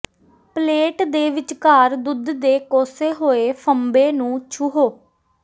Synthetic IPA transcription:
pleːʈd̪eːʋɪt͡ʃkaːɾd̪ʊd̪d̪eːkoːseːɦoːeːpʰəmbeːnũːt͡ʃʰuɦoː

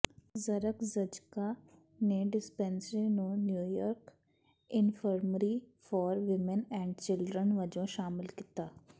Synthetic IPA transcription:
zəɾəkzəd͡ʒka | neɖɪspɛ̃nsenũnjuːjɔːɾk | ɪnfʰəɾməɾifɔːɾʋɪmənɛ̃ːɳɖt͡ʃɪlɖɾənʋəd͡ʒõʃaːmɪlkit̪aː

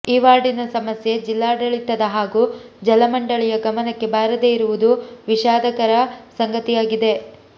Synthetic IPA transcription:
iːʋaːɽinɐsɐmɐsje̞d͡ʒilːaːɖɐɭit̪ːɐd̪ɐɦaːɡuːd͡ʒɐlɐmɐɳɖɐɭijɐɡɐmɐnɐkːe̞baːɾɐd̪e̞ːiɾuʋud̪uʋiʃaːd̪ɐkɐɾɐsɐŋɡɐt̪ijaːɡid̪e̞

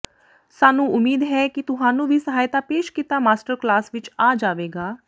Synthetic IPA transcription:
saːnũːʔʊmiːd̪ɦɛːkit̪ʊɦaːnũːbʱiːsəɦaːjt̪aːpeːʃkiːt̪aːmaːsʈəɾklaːsʋɪt͡ʃaːd͡ʒaːʋeːɡaː

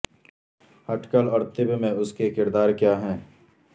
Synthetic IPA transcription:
hɐʈkəlɔːɾt̪ɪbmẽʊskekɪɾd̪aːɾkjaːɦɛ̃ː

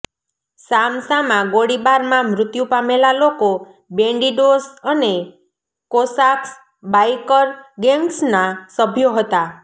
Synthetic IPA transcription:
samsamãɡoɽibaɾmãmɾʊt̪jũpamelaloko | beɳɖiɖosəne | kosaks | bajkəɾɡeŋɡsnasəbʱjoɦət̪a

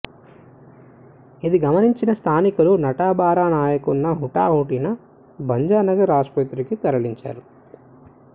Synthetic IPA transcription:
id̪iɡɐmɐniɲt͡ʃinɐst̪ʰaːnikulunɐʈaːbaːɾaːnaːjɐkunːɐɦuʈa̰ːɦuːʈinɐ | bɐɲd͡ʒaːnɐɡɐɾaːspɐt̪ɾikit̪ɐɾɐliɲt͡ʃa̰ːɾu

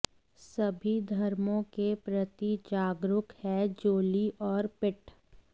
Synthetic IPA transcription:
sɐbʱid̪ʱɐɾmõkepɾɐt̪id͡ʒaːɡɾʊkhɛd͡ʒoːliʔɔːɾpɪʈ

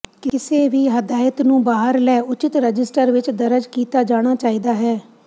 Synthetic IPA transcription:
kɪseːʋiːɦəd̪aːjət̪nũːbaːɦəɾlɛːʊt͡ʃɪt̪ɾəd͡ʒɪsʈəɾʋɪt͡ʃd̪əɾəd͡ʒkiːt̪aːd͡ʒaːɽ̃aːt͡ʃaːiːd̪aːɦɛː

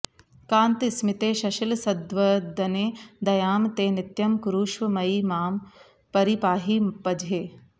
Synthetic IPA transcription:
kãːnt̪ismɪt̪eːʃɐʃɪlsɐd̪ʋɐd̪ɐneːd̪ɐjaːmt̪eːnɪt̪jɐmkuɾuːʃʋɐmɐimaːm | pɐɾipaːɦiːpɐd͡ʒʱeː

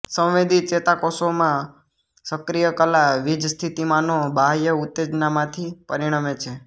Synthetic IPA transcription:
sə̃wʋed̪it͡ʃet̪akosomã | səkɾijəkəlaʋid͡ʒst̪ʰit̪imanobʱajəʊt̪ːed͡ʒnamãt̪ʰipəɾiɽ̃amet͡ʃʰe

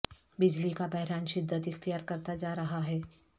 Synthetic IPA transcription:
bɪd͡ʒlikabɛɦɾaːnʃɪd̪ʱːət̪ɪxt̪ijaːɾkɐɾt̪ad͡ʒaːɾɐɦaɦɛː

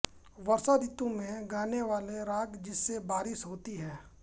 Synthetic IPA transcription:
ʋɐɾsad̪ɪt̪õmẽɡaːneʋaːleɾaːɡd͡ʒɪsːebaːɾɪsɦoːt̪iɦɛː

